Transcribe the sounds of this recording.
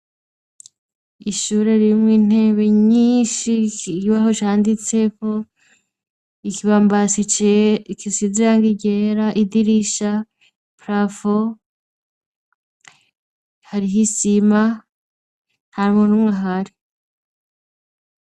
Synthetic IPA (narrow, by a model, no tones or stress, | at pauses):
iʃuɾe̞ɾimŋiːn̥e̞ːβe̞ɲiːʃiiβaɦot͡ʃaːndit͡se̞ko̞ | ikiβaːmbasi | kisiziɾaŋɡiɟe̞ɾaʔidiɾiʃa | pɾafo | haɾiɦisima | nhaɾimunumŋaɦaɾi